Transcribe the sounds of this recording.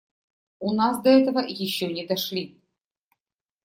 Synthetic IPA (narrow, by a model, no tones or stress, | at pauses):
unɑsd̪ɐɛt̪əvəjɪɕːonʲɪd̪ɐʂlʲi